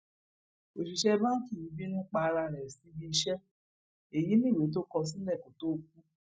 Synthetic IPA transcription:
o˨ʃi˨ʃɛ˦˧bã˦ki˦˨ĩ˨˦bi˦nũ˦k͡pa˧ɾa˧˨ɾɛ˨si˧˦bi˧i˧ʃɛ˦ | e˨ji˨˦nĩ˦˨we˨˦t̬o˦kɔ˧s̬ĩ˦lɛ˦˨ko˨to˦˧k̚u˦

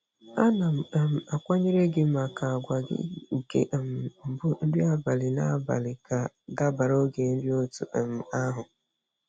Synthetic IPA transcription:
a˦na˨m̩˨m̩˨a˨kʷa˦ɲe˦ɾe˦ɡɪ˦m̩˦a˨ka˨a˨ɡʷa˨ɡɪ̰˦˨kḛ˨ʔm̩˨m̩˨bʊ˦n̩˦dɪ˦a˦ba˨lɪ˨na˦ba̰˨lɪ˨ka˨ | ɡa˦ba˨ɾo˦ɡe˨n̩˦dɪ˦o˦tṵ˨ʔm̩˨a˦ɦʊ˨

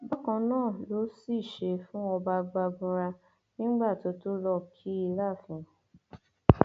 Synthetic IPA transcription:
ba˦kã˧nãː˦˨lo˨˦si˦˨ʃe˧fũ˦ɔ˧ba˧ɡ͡ba˧ɡũ˧ɾa˧ | nĩ˦ɡ͡ba˦˨to˨˧˦to˦lɔ˦˨kʰi˦i˧la˦˨fĩ˨˦

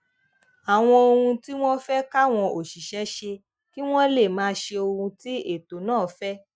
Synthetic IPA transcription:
a˨w̃ɔ̃˧o˧ɾũ˧ti˦w̃ɔ̃˦fɛ˦ka˦˨w̃ɔ̃˧o˨ʃi˨ʃɛ˨˦ʃe˧ | ki˦w̃ɔ̃˦le˦˨mãː˨˦ʃe˧o˧ɾũ˧ti˦e˦˨to˨˦nãː˦˨˦fɛ˦

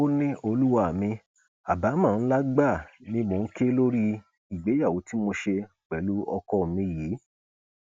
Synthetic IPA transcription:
o˦nĩ˦o˧lu˦wa˦˨mĩ˧ | a˨ba˨˦mã˦˨n̩˦la˦ɡ͡ba˦˨nĩ˧mo˨n̩˦ke˦lo˦ɾi˦ | i˨ɡ͡be˨˦ja˦˨wo˨˦ti˦mo˧ʃe˧˨k͡pɛ˨˦lu˦ɔ˧kɔ˧˨mĩ˧jiː˨˦

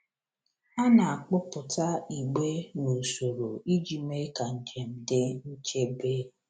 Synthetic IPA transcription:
a˦na˨a˨k͡pʊ˦pʊ˨ta˦i˨ɡ͡be˦no˨so˨ɾo˨i˦d͡ʒi˨me˦ka˨n̩˨d͡ʒe˨m̩˨dɪ˦n̩˦t͡ʃe˦be˦

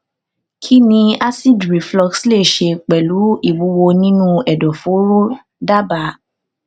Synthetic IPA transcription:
kʰi˦nĩ˧a˦si˦˨dɾi˨flɔ˧ksle˦˨ʃe˧k͡pɛ˨lu˨˦i˦˨wu˨˧˦wo˧nĩ˦nũ˦ɛ˨dɔ˨fo˨˦ɾu˦ | da˦ba˨˦

